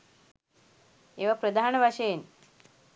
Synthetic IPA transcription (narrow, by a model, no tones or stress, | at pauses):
eʋapɾəd̪ʱaɳbʱaɕeːn